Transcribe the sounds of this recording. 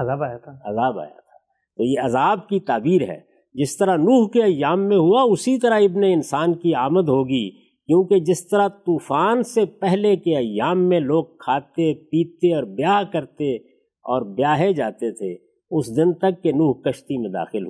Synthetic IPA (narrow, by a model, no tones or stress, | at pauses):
ɐaːbajat̪ʰːɐzaːba̰ːja̰t̪ʰḁː | t̪oːjeɐzaːb̚kit̪aːbiːɾɦɛ̰ː | d͡ʒɪst̪əɾanuːɦkeɐjːaːmːẽɦuaʊsit̪ɐɾaɪbneɪnsaːnkiaːməd̪ɦoːɡi | kjõːked͡ʒɪst̪əɾat̪uːfaːnsepɛɦlekeɐjːaːmːẽloːɡ̚kʰaːt̪epiːt̪eɔːɾbjaːɦkɐɾt̪e | ɔːɾbjaːɦed͡ʒaːt̪et̪ʰe | ʊsd̪ɪnt̪ɐkːenuːɦkɐʃt̪imẽd̪a̰ːxɪlɦu